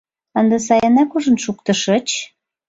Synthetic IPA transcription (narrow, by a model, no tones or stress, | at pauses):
ənd̪əsɑjɑnɑkuʒə̆nʃukt̪ɤ̆ʃə̆t͡ɕ